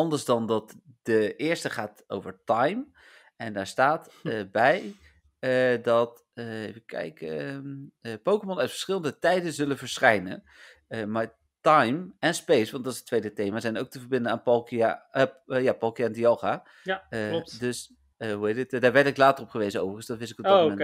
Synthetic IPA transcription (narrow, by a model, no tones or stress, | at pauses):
ɑndəɹzdɑndɑtd̥əɪːɹstəχaːto̰wvəɹtɑjm | ɛndaːɹstaːt | bɛj | dɑt | ejfəkɛ̰jkː | powkəmɔnœɥtfə̥ɹsχɪlˠəndətɛjdəzɵlənvəɹsχɛjnə̰n | əmaːɹ | tɑjmɛnspejsʋɑntdɑtɪsətːʋejdətejmazɛjnowktəvəɹbɪndənaːnpɑlˠka | jaːpɑlˠkiandijɑlˠχaː | ldøs | ɦuɦejtɪtdaːɹʋɛɹtɪklaːtərɔpχəʋejzəno̰wvərəənsdɑtʋɪsɪkɔbmɛn